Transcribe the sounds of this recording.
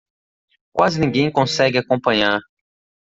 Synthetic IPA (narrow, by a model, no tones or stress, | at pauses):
kwazɪnĩŋɡẽj̃kõsɛɡɪakõpɐ̃ɲaɾ